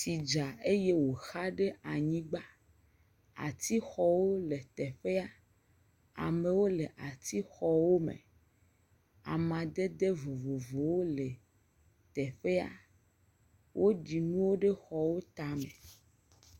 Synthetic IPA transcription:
si˨d͡ʒa˨e˦je˦wo˨xa˦ɖe˦ʔa˨ɲĩ˦ɡ͡ba˦ | a̰˨t̪i˦xɔ˦wo˦le˨t̪ɛ˨ɸe˦a˦ | a̰˨mẽ˨wo˦le˨ʔa˨t̪i˦xɔ˦wo˦mḛ̃˨ | a̰˨mã˨d̪e˦d̪e˦vo˨vo˨vo˨wo˦le˨ | t̪ɛ˨ɸe˦a̰˦ | wʔo˦ɖi˨nũ˦wo˦ɖe˦xɔ˨wo˦t̪a˦me˨

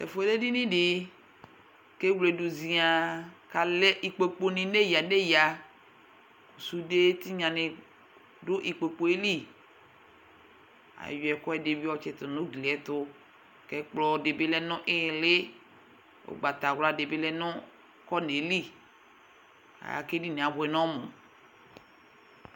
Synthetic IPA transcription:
tɛ̰˨fo˦ɛ˦le˦di˦nĩ˦dɪ˨ | ke˦wle˨du˨zi˨a˨ka˨lɛ˦ʔi˨k͡pe˨k͡po˨nɪ̃˨ne˦ja˨ne˦ja˨ | ku˨su˦de˦t̪i˦ɲã˨nɪ̃˨ | dʊ˦ʔi˨k͡pe˨k͡po˨e˦li˦˨ | a̰˨jo˨ɛ˨kɔ˦ɛ˨de˨bi˦ɔ˦t͡ʃɛ˨t̪ʊ˨nʊ̃˦ɡli˨ɛ˨t̪ʊ˦ | kɛ˨k͡plɔ˨de˨be˦lɛ˦nʊ̃˦ʔɪ˦˨lɪ˦ | o̰˨ɡ͡ba˨t̪a˨wla˨de˨be˦lɛ˦nʊ̃˦ | kɔ˦ne˨˦li˦˨ | a̰˨ja̰˨ke˦di˦nẽ˨a˨bʊ˨ɛ˨nɔ̃˦mʊ̃˨

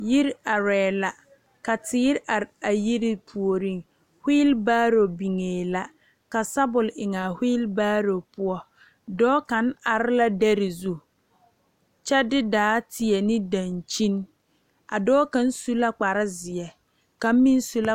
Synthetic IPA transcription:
ji˦ɾa˨ɾɛː˨la˨ | ka˨tɪː˦ɾʔa˨ɾa˨ji˦ɾi˦pʰu˨o˨ɾi˦˨ŋ | hiː˦lbaː˦ɾo˨bi˨ŋeː˨la˦ | ka˨sa˦bʊ˨lɪ˨ŋa˨hiː˦lbaː˦ɾo˨pʊ˦ɔ˦ | dɔː˦ka˨˦na˨ɾɪ˦la˦da˦ɾɪ˨zu˦ | t͡ʃɛ˦dɪ˦daː˨˦tʰɪ˨ɛ˨nɪ˦dã˨nt͡ʃi˦n | a̰˨dɔː˦ka˨n˦su˦la˦k͡pa˨ɾɪ˦zɪ˨ɛ˨ | ka˨m˦mĩ˦n˦su˦la˦

